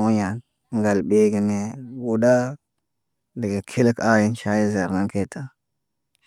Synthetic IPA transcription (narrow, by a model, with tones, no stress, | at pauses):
o˦ɲa˨n˦ | ŋ˦ɡa˨lbe˦ɡi˨ne˦wu˨da˦ | də˨ɡa˨kʰi˦lka˦ji˦nʃa˦ji˦za˨ɾna˦ŋke˦tʰa˦